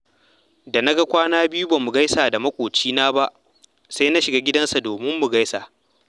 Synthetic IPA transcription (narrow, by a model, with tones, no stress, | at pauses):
da˨na˦ɡa˦kʷaː˦naː˦bɪ˦ju˦baː˨mʊ˨ɡa˦jsaː˨da˨mɐ˦kʷʼoː˨t͡ʃiː˦naː˦ba˦ʔ | sa˦jna˦ʃɪ˨ɡaː˦ɡʲɪ˦dɐ˦nsa˨doː˨mɪ˦mːu˨ɡa˦jsa˨